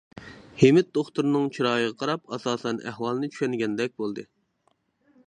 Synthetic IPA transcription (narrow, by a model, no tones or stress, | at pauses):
hemɪt̪̚d̪oχt̪uɾnɨŋt͡ʃʰiɾɑːjɨʁɑqʰɑɾɑpɑsɑːsɛnæ̰hwɑlˠnɨt͡ʃʰy̥ʃɛnɡʲɛnd̪ɛk̚ʲbolˠd̪ɨ